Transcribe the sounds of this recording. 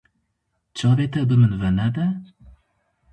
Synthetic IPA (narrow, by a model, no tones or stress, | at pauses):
t͡ʃʰɑːveːt̪ɛbɨmɨnvɛnɛd̪ɛ